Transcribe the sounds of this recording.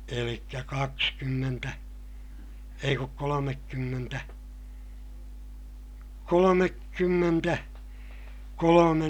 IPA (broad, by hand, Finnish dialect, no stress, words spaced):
elikːæ kɑkskymːentæ ei kuk kolomekːymːentæ kolomekːymːentæ kolomen